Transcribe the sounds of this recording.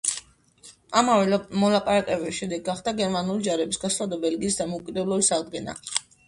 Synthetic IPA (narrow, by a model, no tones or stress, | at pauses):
amavɛmɔlˠapʼaɾakʼɛbɛʃɛd̪ɛɡaχd̪aɡɛɾmanulid͡ʒaɾɛbisɡaslˠad̪ɔbɛlɡiːsd̪amɔukʼid̪ɛblˠɔbisaʁd̪ɡɛna̰